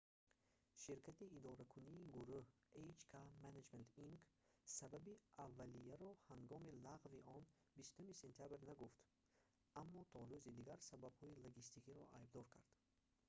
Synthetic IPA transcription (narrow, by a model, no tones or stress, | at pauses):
ʃiɾkʰat̪iːd̪ɔɾakʰuniːɡuɾuh | ejd͡ʒkʰamaned͡ʒment̪iŋksababiavːalijaɾɔhaŋɡɔmilaʁviɔn | bist̪umisent̪ʰjabɾnaɡuft̪ | ʔamːɔt̪ʰɔɾuzid̪iɡaɾsababhɔiloɡist̪ikiɾɔ̰ʔajb̚d̪ɔɾkʰaɾd̪̥